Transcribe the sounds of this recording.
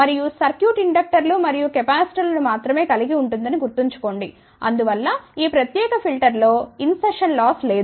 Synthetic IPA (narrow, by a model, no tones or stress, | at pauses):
mɐɾijusɐɾkjuːʈiɳɖɐk̚ʈɐɾlumɐɾijukɛpaːsi̥ʈɐɾlɐnumaːt̪ɾɐme̞ːkɐliɡiuɳʈund̪ɐniɡuɾt̪iɲt͡ʃu̥ko̞ːɳɖi | ɐ̰nd̪uʋɐlːɐiːpɾɐt̪jɛːkɐpʰilʈɐɾlo̞ːinseʂɐnlɔːsle̞ːd̪